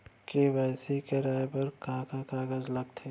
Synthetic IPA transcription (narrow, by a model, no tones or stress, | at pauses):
kiʋɛːsikeɾaːepɐɾkãːkakaːɡəzlɐɡt̪ʰeː